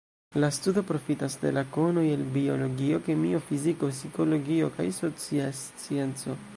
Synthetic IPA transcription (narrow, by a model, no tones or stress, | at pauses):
lastudo̞pɾo̞fitasde̞̰lakono̞jelbio̞lo̞ɡio̞ke̞mio̞fiziko̞siko̞lo̞ɡio̞kajso̞t͡siast͡sie̞nt͡so̞